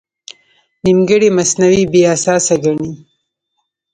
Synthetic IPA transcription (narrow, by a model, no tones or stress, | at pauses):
nimɡəɽimasnawibeasɑːsaɡaɳi